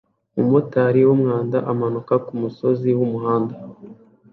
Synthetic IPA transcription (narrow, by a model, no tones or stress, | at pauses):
umutaɾiwumŋaːndaʔamanukakumuso̞ziwumuɦaːnda